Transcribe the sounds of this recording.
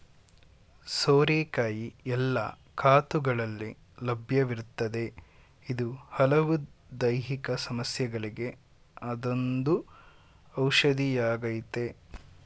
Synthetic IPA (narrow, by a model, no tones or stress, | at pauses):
soːɾeːkaːjiɛlːɐ̰ | kʰaːt̪uɡɐɭɐlːi | lɐbʱjɐʋiɾut̪ːɐd̪e̞ | id̪uhɐlɐʋud̪ɐjɦikɐsɐmɐsjɐɡɐɭiɡe̞ | ɐd̪o̞nd̪u | ɐwʃɐd̪ijaːɡɐjit̪e̞